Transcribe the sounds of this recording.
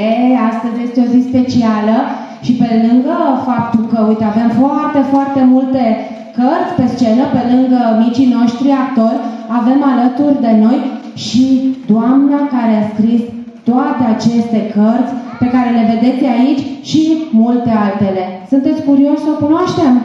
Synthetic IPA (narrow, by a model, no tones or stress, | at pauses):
east̪əzje̞st̪eo̞zispe̞t͡ʃialə | ʃipe̞lɨŋɡəfap̚t̪ulkəujt̪eave̞mfoart̪e̞foart̪e̞mult̪e̞ | kərt̪sʲpe̞st͡ʃe̞nəpe̞lɨŋɡəmit͡ʃino̞ʃt̪ɾiak̚t̪o̞rʲave̞malət̪urʲd̪e̞no̞j | ʃid̪oamnakaɾe̞askɾis | t̪oat̪e̞at͡ʃe̞st̪e̞kərt̪sʲpe̞kaɾe̞le̞ve̞d̪e̞t̪sʲait͡ʃʲʃimult̪e̞alt̪e̞le̞sunt̪e̞t̪sʲkuɾio̞ʃʲsəkunoaʃt̪e̞m